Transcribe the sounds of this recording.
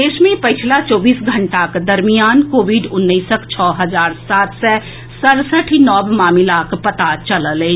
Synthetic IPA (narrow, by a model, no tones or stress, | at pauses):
eːʃmẽpəɪt͡ʃʰlat͡ʃɔːbiːsɡʱə̃ɳʈakd̪əɾmijaːnkoːʋiɖʊnːəisəkt͡ʃʰɔːɦəzaːɾsaːt̪sɛ | səɽsəʈʰinɔːbmaːmilakpət̪at͡ʃələle